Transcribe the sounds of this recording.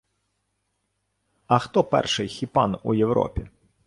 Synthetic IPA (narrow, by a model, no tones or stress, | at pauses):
ɐxt̪ɔpɛ̰rʂɪjxʲipanṵjɛwɾɔ̰pʲi